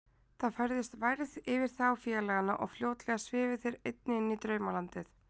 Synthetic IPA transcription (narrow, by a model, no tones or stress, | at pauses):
θaðfajɾðɪst̪vajɾðɪvɪɾ̥θawfjɛlɛɣanaʔɔ̰ɣfljoːwt̪lɛɣasvɪːvɪθɪɾejt̪̚nɪɪnːit̪ɾœːɥmalant̪ɪθ